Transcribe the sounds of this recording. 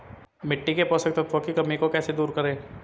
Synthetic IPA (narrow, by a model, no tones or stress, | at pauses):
mɪʈːikepɔsɐk̚t̪ot̪ʰʋokikɐmikokɛːsed̪uːɾkɐɾẽː